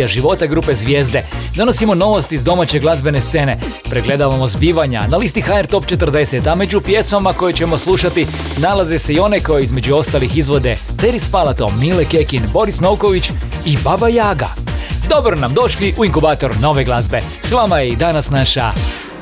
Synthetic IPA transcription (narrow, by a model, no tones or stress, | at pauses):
aʒiʋo̞t̪aɡɾuːpe̞zʋje̞ːzd̪e̞d̪o̞no̞simo̞no̞ʋost̪izd̪o̞mat͡ɕeɡlˠazbe̞nest̪se̞ne | pɾeɡle̞d̪aʋamozbiːʋaɲa̰nalist̪ixaeɾt̪o̞pt͡ʃe̞t̪r̩d̪e̞se̞t̪ame̞d͡ʑupje̞smamako̞jet͡ɕe̞mo̞slˠuʃat̪i | nalaze̞se̞io̞ne̞ko̞jeizme̞d͡ʑuo̞st̪alixizʋo̞d̪e̞ | t̪eɾispalat̪o̰miːleke̞kinbo̞ɾisno̞wko̞ʋit͡ʃibabajaːɡa̰d̪o̞bɾonamd̪o̞ʃliʔuiŋkubaːt̪o̞ɾno̞ʋe̞ɡlˠazbe̞sʋamajeid̪anasnaʃa̰